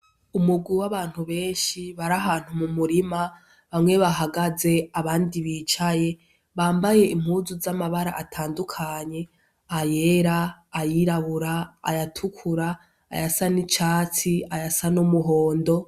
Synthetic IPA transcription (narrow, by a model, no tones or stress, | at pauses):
umuɡwiwaβaːn̥huβe̞ːnʃiβaɾaɦaːn̥humumuɾima | βamŋwe̞βaɦaɡaze̞aβaːndiβiːt͡ʃaje̞ | βaːmbaje̞im̥huzuzamaβaɾa̰ʔatʰaːndukʰaɲe̞ | aje̞ɾaːjiɾaβuɾa̰ːjatʰukʰuɾa̰ː | jasanit͡ʃaːt͡siajasanumuɦo̞ːndo̞